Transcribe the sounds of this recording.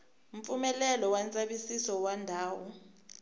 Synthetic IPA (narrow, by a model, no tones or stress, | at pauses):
ɱ̩fumɛlɛlɔwant͡sʼaɓisisɔwandʱaːwɔ̰